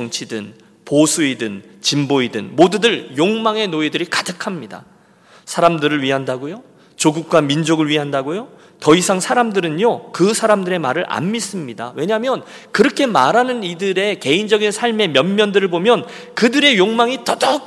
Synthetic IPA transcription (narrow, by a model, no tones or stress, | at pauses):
t͡ɕʌŋt͡ɕʰidɯn | posʰuidɯnt͡ɕimboidɯ̰nmodudɯɾjoŋmaŋe̞noidɯɾikadɯkʰamɲida̰ | sʰaɾamdɯɾɯɭɥiɦandaɡojo | t͡ɕoɡuk̚k͈wamind͡ʑoɡɯɭɥiɦandaɡojo | tʌisʰaŋsʰaɾamdɯɾɯnjokɯsʰaɾamdɯɾe̞ma̰ɾɯɾʔa̰mːis͈ɯmɲida̰we̞ɲamjʌn | kɯɾʌkʰe̞maɾanɯnidɯɾe̞ke̞ind͡ʑʌɡinsʰaɭme̞mjʌnmːjʌndɯɾɯɭbomjʌn | kɯdɯɾe̞joŋmaŋitʌdʌ